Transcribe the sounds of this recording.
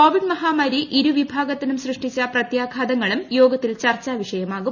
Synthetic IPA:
koːʋiɖmɐɦaːmɐɾiʔiɾuʋibʱaːɡɐt̪ːinumsrɨʂʈit͡ɕːɐprɐt̪jaːɡʱaːd̪ɐŋːɐɭumjo̞ːɡɐt̪ːilt͡ɕɐrt͡ɕːaʋiʂɐjɐmaːɣu

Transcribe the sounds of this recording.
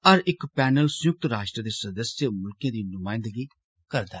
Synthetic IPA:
əɾɪkpɛːnəlsʊjʊk̚t̪ɾaːʃʈɾəd̪eːsəd̪əsjəmʊlkijãːd̪iːnʊmaːɪ̃nd̪əɡiː | kəɾd̪a

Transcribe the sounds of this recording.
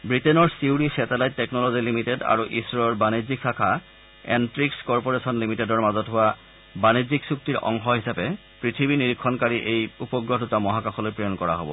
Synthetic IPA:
bɹitenɔɹsiuɾisɛtalajtːɛknɔlozilimiteda̰ɹuʔisɔɹbaniziksakʰa | ḛntɹikskɔɹpɔɹesɔnlimitedɔɹmazɔtɦowa | baniziksuk̚tiɹʔɔ̰ŋɦɔɦisapɛ | pɹit̪ʰibiniɹikʰːɔnkaɹiʔejupɔɡɹodutamɔɦakaxɔlojpɹejɔnkɔɹa̰ɦo̰bɔ̰

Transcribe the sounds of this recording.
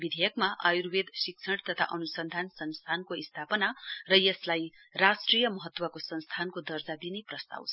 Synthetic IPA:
bid̪ʱejʌkmaʔajurwed̪siksʰʌɽt̪ʌt̪ʰa̰ʔʌnusʌnd̪ʱansʌnst̪ʰankoist̪ʰapʌnarʌjʌslaj | rasʈrijʌmʌɦʌt̪ːwʌkosʌnst̪ʰankod̪ʌrd͡zad̪ineprʌst̪a̰wt͡sʰʌ

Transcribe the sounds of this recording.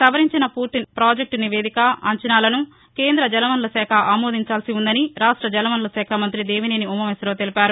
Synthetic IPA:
sɐʋɐɾiɲt͡ʃinɐpuːɾt̪inpɾaːd͡ʒek̚ʈniʋeːd̪ikɐɐ̰ɲt͡ʃɐnaːlɐnu | ke̞ːnd̪ɾɐd͡ʒɐlɐʋɐnulɐsɛːkʰɐʔaːmoːd̪iɲt͡ʃaːlsiund̪ɐniɾaːʂʈɾɐd͡ʒɐnɐʋɐnulɐsɛːkʰɐmɐnt̪ɾid̪e̞ːʋineːniumɐmesɐɾoːt̪elipaːɾu

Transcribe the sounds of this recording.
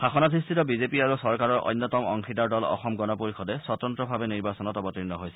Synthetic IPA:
xaxɔnasistʰitɔbizepiaɹusɔɹkaɹɔɹʔɔ̰jnːɔtɔmɔ̰ŋxʰidaɹdɔlɔ̰xɔmɡɔnɔpuɹixʰɔdɛsɔtɔntɹɔbʱabɛniɹbasɔnɔtɔbɔtinːɔɦojsɛ̥

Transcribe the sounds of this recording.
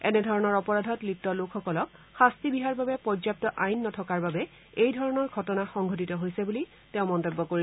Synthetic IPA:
ɛnɛdʱɔɹɔnɔɹɔpɔɹadʱɔtlitːɔlokʰxɔkɔlɔk̚xastibiɦaɹbabɛpɔzap̚tɔʔajnːɔtʰɔkaɹbabɛ | ejdʱɔɹɔnɔɹɡʱɔtɔnaxɔŋɡʱɔtitɔɦojsɛbuli | tɛ̃ʊ̃mɔntɔbːɔkoɹi

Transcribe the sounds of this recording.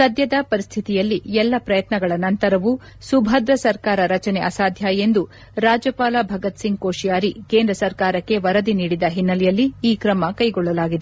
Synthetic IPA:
sɐd̪jɐd̪ɐpɐɾist̪ʰit̪ijɐlːiɛlːɐpɾɐjɐt̪nɐɡɐɭɐnɐnt̪ɐɾɐʋu | subʱɐd̪ɾɐsɐɾkaːɾɐɾɐt͡ʃɐnɛʔɐsaːd̪ʱjaːjend̪u | ɾaːd͡ʒɐpaːlabʱɐɡɐt̪siŋɡ̚koːʂijaːɾike̞ːnd̪ɾɐsɐɾkaːɾɐkːe̞ʋɐɾɐd̪iniːɽid̪ɐɦinːɐlɛjɐlːiːkɾɐmɐkɐjɡɔɭːɐlaːɡid̪e

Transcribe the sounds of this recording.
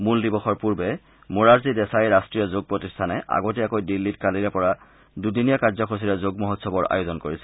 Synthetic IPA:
muldibɔxɔɹpuɹbɛ | muɹaɹzidɛsajɹastɹijɔzoɡ̚pɹotistʰanɛʔa̰ɡotɛakojdilːitkaliɹɛpɔɹa | dudinijakaɹzɔkʰos̬iɹɛzoɡmɔɦɔtsɔbɔɹa̰jozɔnkoɹisɛ̥

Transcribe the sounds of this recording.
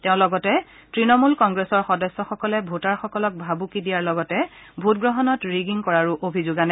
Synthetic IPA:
tɛʊ̃lɔɡɔtɛ | tɹinɔmulkɔŋɡɹesɔɹxɔdɔsːɔxɔkɔlɛbʱotaɹxɔkɔlɔk̚bʱabukidijaɹlɔɡɔtɛ | bʱutɡɹɔɦɔnɔtɹiɡiŋkɔɹaɹuʔobʱizoɡanɛ

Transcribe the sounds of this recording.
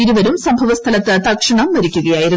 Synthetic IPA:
iɾuʋɐɾumsɐmbʱɐʋɐst̪ʰɐlɐt̪ːɐt̪ːɐkʂɐɳɐmːɐɾikʲːuɣɐjaːjiɾu

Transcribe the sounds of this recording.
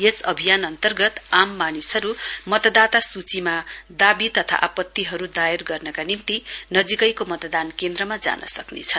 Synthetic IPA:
jesʌbʱijanʌnt̪ʌrɡʌt̪amːanisɦʌɾumʌt̪ʌd̪at̪asut͡simad̪abit̪ʌt̪ʰa̰ʔapʌt̪ːiɦʌɾud̪ajerɡʌrnʌkanimt̪inʌd͡zikʌjkomʌt̪d̪ankend̪ɾʌmad͡za̰nʌ̰sʌknḛt͡sʰʌn

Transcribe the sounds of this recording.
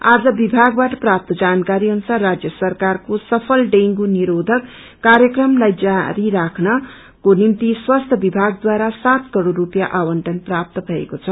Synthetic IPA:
ad͡zʌbibʱaɡbaʈʌprap̚t̪ʌd͡zankaɾiɦʌnsarːad͡zjʌsʌrkarkosʌpʰʌlɖeŋɡuniɾod̪ʱʌkː | aɾjʌkrʌmlajd͡zaɾiɾakʰnʌ | konimt̪iswast̪ʰʌbibʱaɡ̚d̪waɾasat̪kʌɾorːupjaʔawʌɳʈʌnprap̚t̪ʌbʱʌḛkot͡sʰʌ

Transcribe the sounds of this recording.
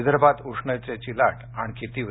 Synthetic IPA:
d̪əɾbat̪uʂɳət͡ɕet͡ɕilaʈaɽ̃ikit̪iːʋ

